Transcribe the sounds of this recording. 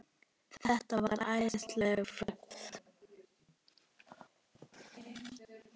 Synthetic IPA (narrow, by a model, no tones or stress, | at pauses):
θɛht̪avaɾɾʔaːjst̪lɛɣfœkθ